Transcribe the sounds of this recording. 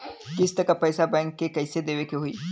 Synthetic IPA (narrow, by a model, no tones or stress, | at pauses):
kɪst̪ɐkapɐjsabɛ̃ːŋkːekɐɪsed̪eːʋekeɦuḭː